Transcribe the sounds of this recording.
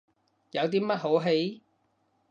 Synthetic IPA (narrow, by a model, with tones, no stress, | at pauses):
jɐ˨˧wt̪̬iː˥mɐ˥t̚ɦo˨˥wɦe˨˥j